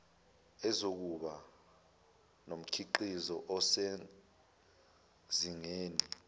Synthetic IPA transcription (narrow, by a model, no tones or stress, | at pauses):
ɛzok̬uɓa | nom̩kʰiǃizɔʔɔse | ziŋeːni